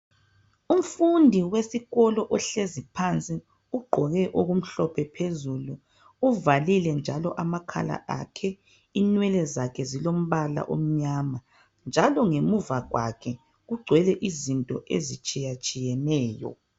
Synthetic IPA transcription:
um̩fundʱiwesiɣɔlɔʔɔɬezipʰant͡sʼi | uɡ͡ǃʱɔɣɛʔoɣum̩ɬɔpʰɛpʰezuluː | valilɛnd͡ʒʱalɔʔamakʰa̰la̰ʔa̰kʰɛ | inwɛlɛzakʰɛzilom̩βala̰ʔo̰m̩ɲaːma | nd͡ʒʱalɔŋemuvaɣwa̰kʰɛ | ɣuɡ͡ǀʱwɛlɛʔizintʼɔ̰ʔḛzit͡ʃʼijat͡ʃʼijɛnɛːjɔ̰

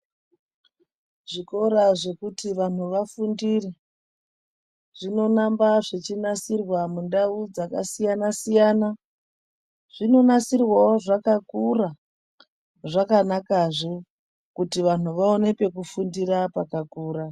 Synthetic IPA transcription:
ʐiko̞ɾaʐe̞kutiʋan̤uʋafundire | ʐ̥ino̞nambaʐet͡ʃinasirwamundaud͡zakasijanasijaːna | ʐ̥ino̞nasirwaoʐakakura | ʐakanakaʐe | kutiʋan̤uʋao̞ne̞pe̞kufundirapakakuːɾa

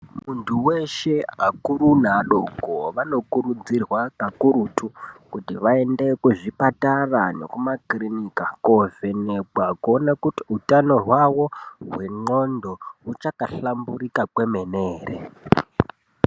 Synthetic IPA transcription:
muntʰuweʃe̞a̰kuɾunaɗoɡʱoʋano̞kuɾud͡zirwakakuɾutʰukutiʋae̞nde̞kuʐipatarane̞̰kumakrinikakovenebwakuonakutiutano̞ɦwawo̞ɦwe̞ŋ͡ǃo̞ndo̞ut͡ʃakaɬamburikakwe̞me̞neːrḛ

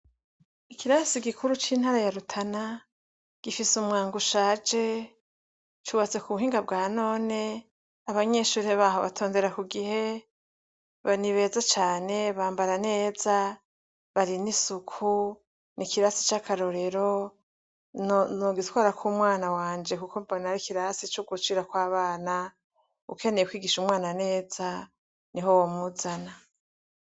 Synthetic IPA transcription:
ikiɾasiɡikʰuɾut͡ʃiːn̥haɾajaɾutʰana | ɡ̥ifisumŋaːŋɡuʃaːd͡ʒe̞ | t͡ʃuβat͡se̞kuβuɦiːŋɡabɡaːno̞ːne | aβaɲe̞ʃuːɾeβaːɦoβa̰tʰo̞ːnde̞ɾakuɡihe̞ | βaniβe̞ːzat͡ʃaːne̞βaːmbaɾane̞ːza | βaɾinisukʰu | nikiɾasi̥t͡ʃakʰaɾo̞ɾe̞ɾo | nnoɡizkwaːɾakʰuːmwaːnawaːnd͡ʒe̞kukobonaɾikiɾasit͡ʃuɡut͡ʃiɾakwaːβaːna | ṵkʰe̞nejekwiːɡiʃumŋwaːnane̞ːza | niɦo̞womuzana

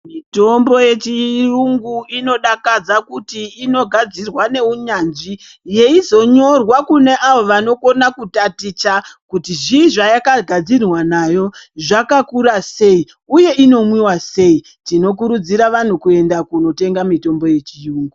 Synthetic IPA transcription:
mito̞mbo̞je̞t͡ʃiruŋɡuino̞ɗakad͡zakutiːno̞ɡʱad͡zirwane̞uɲanʐi | je̞izo̞ɲo̞rwakune̞ʔaʋo̞ʋano̞ko̞nakutatit͡ʃakutiʐiʐajakaɡʱad͡zirwanajo̞ʐakakuɾase̞i | uje̞ʔino̞mwiwase̞i | tino̞k̬uɾud͡ziɾaʋan̤ukue̞ndakuno̞te̞ŋɡamito̞mbo̞je̞t͡ʃiruːŋɡu

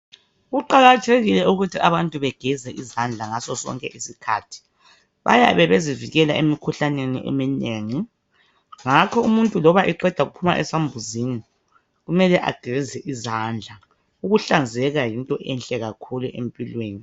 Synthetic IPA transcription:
ɣuǃaɣatʰeɣilɛuɣutʰiʔaβantʼuβɛɡ̥ʱɛzɛʔizand͡ɮʱaŋasɔsɔ̰ŋkʼɛ̰ʔisikʰa̰ːtʰi̥ | βa̰ja̰βɛβeziviɣɛla̰ʔemikʰuɬanenḭʔḛmineŋi | ŋakʰɔumuntʼulɔβaʔɛǃɛd̥ʱaɣupʰuma̰ʔɛ̰sambʱuzini | ɣumɛlɛʔa̰ɡ̥ʱɛzɛʔizand͡ɮʱa | uɣuɬand͡zʱɛɣajintʼɔʔɛnɬʼɛɣakʰuluʔḛmpʼilweːni

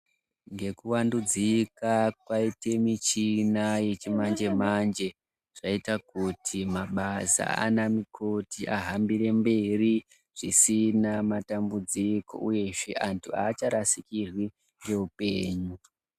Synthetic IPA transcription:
ŋɡe̞kuwandud͡zikakwaitemit͡ʃinaje̞t͡ʃimand͡ʒe̞mand͡ʒe̞ | ʐ̥aitakutʰimaɓasa̰a̰namikʰo̞tʰiʔaɦambire̞mbe̞ri | ʐ̥isinamatambud͡ziko̞̰ʔuje̞ʂeʔantʰuaːt͡ʃaɾasikirwi | ŋɡe̞upe̞ːɲu

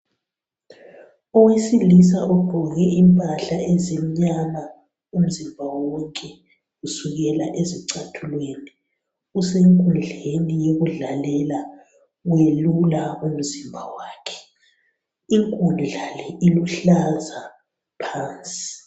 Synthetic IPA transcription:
ɔwesilis̬aʔɔɡ͡ǃ̥ʱɔɣɛimpʼaɬaezim̩ɲama | um̩zimbʱawɔŋkʼɛ | usuɣɛlaʔeziǀatʰulweːni | useŋkʼund͡ɮʱenijoɣuɮalɛla | welulaum̩zimbʱawaːkʰɛ̥ | iŋkʼuluɮalɛiluɬaza | pʰaːnt͡sʼi

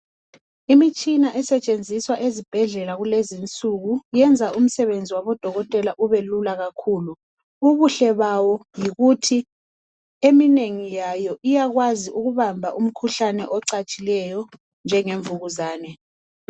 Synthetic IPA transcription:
imit͡ʃʼinaʔɛsɛt͡ʃʼend͡zʱiswaʔezib̥ʱɛɮɛlaɣulezint͡sʼuɣujɛnd͡zʱaʔum̩sɛβend͡zʱiwaβɔd̥ʱɔɣɔtʼɛlaʔuβelulaɣakʰuːlu | uβuɬɛβawɔjiɣutʰi | emineŋijajɔʔijaɣwaziʔuɣuβambʱaʔum̩kʰuɬanɛʔɔǀat͡ʃʼilɛjɔ | nd͡ʒʱɛŋeɱvuɣuzaːnɛ

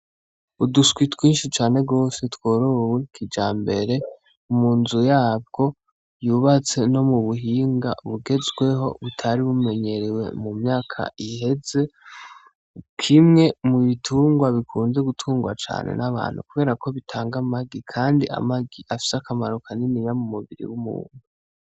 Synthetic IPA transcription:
uduskwitwiːnʃit͡ʃaːne̞ɡo̞ːse̞twoːɾowikʰid͡ʒaːmbe̞ɾe̞ | umuːnzujaːb̚ɡo̞ | juβat͡se̞no̞muβuɦiːŋɡa̰βuɡe̞zɡwe̞ɦo̞βutʰaɾiβume̞ɲe̞ɾiwe̞̰mumɲaːkʰa̰ihe̞ze̞ | kʰimŋe̞muβitʰuːŋɡwaβikʰuːnze̞ɡutʰuːŋɡwa̰t͡ʃa̰ːnʔḛnaβa̰ːn̥hṵkuβe̞ːɾakʰo̞βitʰaːŋɡamaɡikʰaːndia̰maɡiʔafi̥sakamaɾokʰaninijamumuβiɾḭwumṵːnu

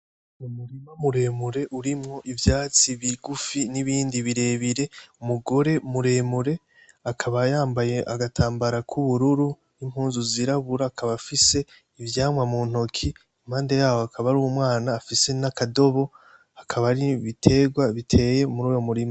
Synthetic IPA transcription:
umuɾimamuɾe̞ːmuɾe̞ʔuɾimŋo̞ʔivjaːt͡siβiɡufiniβiːndiβiɾe̞ːβiɾe̞umuɡo̞ɾe̞muɾe̞ːmuɾe̞ | akʰaβajaːmbaje̞ʔa̰ɡatʰaːmbaɾakʰuβuɾuɾu | nim̥huːnzuziɾaβuɾaːkʰaβafise̞ | ivjaːmwamuːn̥o̞kʰi | im̥haːnde̞jaːwoakʰaβaɾuːmwaːnaːfise̞nakado̞βo̞ | akʰaβaɾiβitʰe̞ːɡwaβitʰe̞je̞muɾuːjo̞muɾima

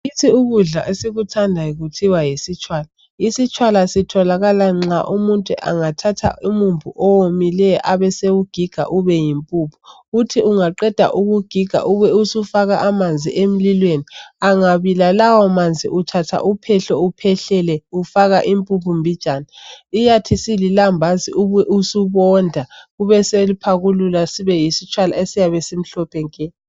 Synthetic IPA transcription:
itʰiuɣuɮaʔesiɣutʰandʱajiɣutʰiwajesit͡ʃʼʰwaːla | isit͡ʃʰʼwalasitʰɔlaɣalaŋ͡ǁaʔumuntʼṵʔa̰ŋatʰatʰa̰ʔumumbʱṵʔɔwomilɛjɔʔaβɛsewuɡ̥ʱiɡ̥ʱa̰ʔuβɛjimpʼuːpʰu̥ː | tʰiuŋaǃɛd̥ʱa̰ʔuɣuɡ̥ʱiɡ̥ʱa̰ʔuβɛusufaɣaʔːmand͡zʱḭʔem̩lilweniaŋaβilalawɔmand͡zʱḭʔutʰatʰa̰ʔupʰɛɬɔupʰɛɬɛlɛufaɣaʔimpʼupʰumbʱid̥ʒ̥ʱʼaniijatʰisililambʱaziʔuβɛʔusuβɔndʱauβɛselupʰaɣululasiβɛjisit͡ʃʰʼwala̰esijaβɛsem̩ɬɔpʰɛŋkʼɛ

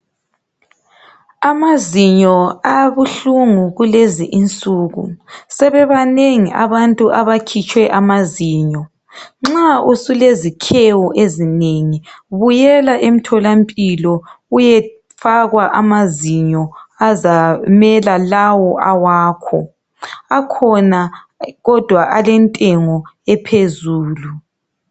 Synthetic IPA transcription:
amaziɲɔaβuɬuŋuɣuleziʔint͡sʼuːɣṵsɛβɛβaneŋiʔaβantʼuʔaβakʰit͡ʃʼwɛʔamaziːɲɔ | ŋ͡ǁausulezikʰewɔʔezineŋiβujɛlaʔem̩tʰɔlampʼilɔujɛ | faɣwaʔamaziɲɔazamɛlalawɔʔawaːkʰɔ | akʰɔna | ɣɔd̥ʱwaʔalɛntʼɛŋɔɛpʰezuːlu

